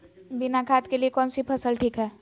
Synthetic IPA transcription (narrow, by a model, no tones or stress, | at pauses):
binakʰaːt̪keliekɔːnsipʰəsəlʈʰiːkɦɛː